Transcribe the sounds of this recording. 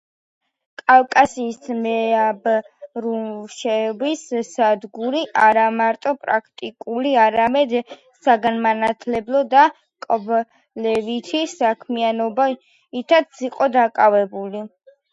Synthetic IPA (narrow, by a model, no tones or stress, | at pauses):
kʼalkʼasiːsmɛab | ɾuʃɛbissad̪ɡuɾiʔaɾamaɾt̪ʼɔpʼɾakʰt̪ʼikʼuliaɾamɛd̪ | saɡanmanat̪ʰlɛblˠɔd̪a | kʼɔb | lɛvit̪ʰisakʰmianɔba | it̪ʰat̪sʰiqʼɔd̪akʼavɛbuli